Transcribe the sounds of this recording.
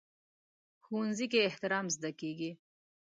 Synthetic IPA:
xunzikeːht̪ɪɾɑːmzd̪akeɡi

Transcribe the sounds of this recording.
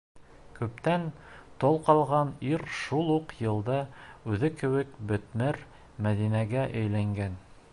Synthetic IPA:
kʉp̚t̪ænt̪olˠqɑlˠʁɑniɾʃulˠuqjɤ̆lˠd̪ɑʉðɘkɘ̆wɘkbɵ̆t̪mɘɾ | mæðinæɡæʔɘ̆jlæŋɡæn

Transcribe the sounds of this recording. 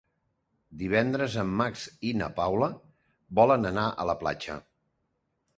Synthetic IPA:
d̪iβ̞ɛnd̪ɾəzəmːaksinə̰pawlə | bɔlənənaʔə̰ləpla̰t͡ʃə̰

